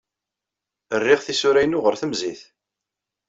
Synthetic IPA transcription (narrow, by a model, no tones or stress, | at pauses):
ərːiʁθisʊɾæjnʊʁəɾθəmziθ